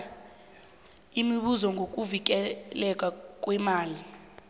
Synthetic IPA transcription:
imiɓuzɔŋɡʱok̬ʼuvik̬ɛlɛkʼak̬ʼwɛmaːli

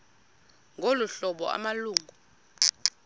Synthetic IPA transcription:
ŋʱoluɬɔɓɔ̰a̰maluːŋʱu

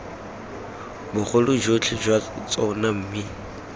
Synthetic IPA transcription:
bʊχʰʊlʊd͡ʒot͡ɬʰɪd͡ʒwat͡sʼɔnam̩mi

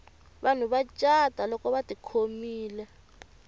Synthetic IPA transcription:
βan̤uβat͡ʃʼad̥ʱalɔkɔβadikʰomiːlɛ

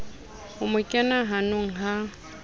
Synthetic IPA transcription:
ʊmʊkʼɛnaɦanʊŋ̩ɦa

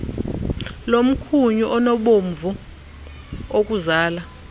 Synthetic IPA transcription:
lom̩kʰuɲuʔɔnɔɓoɱvu | ok̬ʼuzaːla

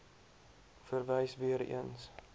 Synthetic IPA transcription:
fərvɛjsviəɾḭəns

